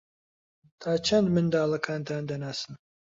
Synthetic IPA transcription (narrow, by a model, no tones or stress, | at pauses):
t̪ʰaːt͡ʃʰand̪mɪnd̪aːlˠakʰant̪ʰand̪anasɨn